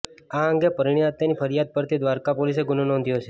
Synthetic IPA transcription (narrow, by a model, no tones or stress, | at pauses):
aəŋɡepəɾiɽ̃iat̪ːanipʰəɾijad̪̚pəɾt̪ʰid̪ʋaɾkapolis̬eɡʊnonɔ̃nd̪ʱjot͡ʃʰe